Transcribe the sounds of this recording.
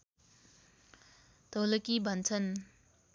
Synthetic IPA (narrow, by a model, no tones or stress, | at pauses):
t̪ʌlʌkibʱʌnt͡sʰʌn